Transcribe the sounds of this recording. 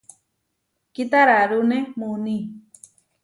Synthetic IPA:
kit̪aɾaɾunemuni

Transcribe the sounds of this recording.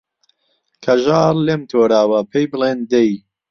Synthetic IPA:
kʰɐʒaːɾleːmt̪ʰoːɾaːwɐpʰejbɨleːnd̪ej

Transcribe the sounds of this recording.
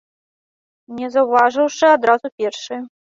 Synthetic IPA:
nʲɛzɐwvaʐɨwʂɨad̪ɾazupʲɛrʂɨ

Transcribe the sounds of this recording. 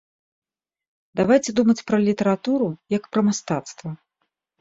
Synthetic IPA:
d̪avajt͡sʲɛd̪umɐt͡sʲpɾɐlʲit̪ɛɾat̪uɾujɐkpɾɐmast̪at̪st̪vɐ

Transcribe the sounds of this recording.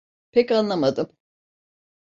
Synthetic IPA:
pʰɛcanlˠamad̪ɯm

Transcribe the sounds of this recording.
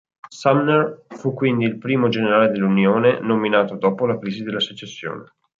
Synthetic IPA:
samnerfukːwind̪iːlpɾiːmod͡ʒeneɾaːled̪elːunjoːnenominaːt̪od̪ɔːpolakɾiːzid̪elːasut͡ʃesːjo̰ːne

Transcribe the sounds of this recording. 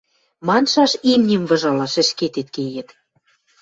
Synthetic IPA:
mɑnʃɑʃimnʲĭmvɤ̆ʒɑlɑʃɘ̆ʃket̪et̪̚kejĕt̪

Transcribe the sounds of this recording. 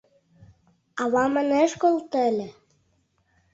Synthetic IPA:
ɑβɑmə̆neʃkolˠt̪elʲĕ

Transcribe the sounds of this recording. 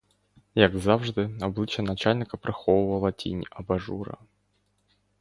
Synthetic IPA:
jaɡzavʐd̪ɨɐblˠɨt͡ɕənɐt͡ɕalʲnʲɪkəpɾɐxovəvəlˠɐtʲḭnʲʔɐbɐʐuɾə̰

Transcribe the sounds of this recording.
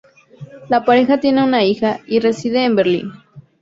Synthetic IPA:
lapaɾe̞xat̪je̞ne̞unaixaire̞siðeːmbeɾlḭn

